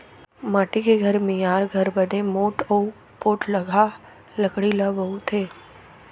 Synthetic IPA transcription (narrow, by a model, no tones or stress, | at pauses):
maːʈikeɡʱəɾmĩjaːɾɡʱəɾbənemoːʈou | poːʈləɡʱa | ləkɽilabəut̪ʰeː